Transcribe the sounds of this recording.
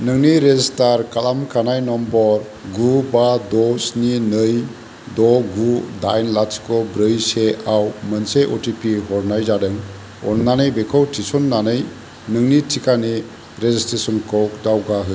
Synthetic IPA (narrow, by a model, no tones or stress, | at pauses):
nɯŋniɾezistaɾkalamkʰanajnɔmbɔɾ | ɡubadɔsninɯj | dɔɡudajnlaskɔbɾɯjseawmənseʔɔtipʰiɦɔɾnajzadɯŋ | ɔ̰nːanɯjbekʰɔwtʰisɔnːanɯj | nɯŋnitʰikani | ɾezistɾesɔnkʰɔwk̚dawɡaɦɯ